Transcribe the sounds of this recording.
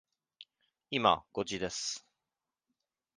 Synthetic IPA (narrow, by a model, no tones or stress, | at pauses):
ima̰ɡ̥o̞d͡ʑid̪e̞sɨ̥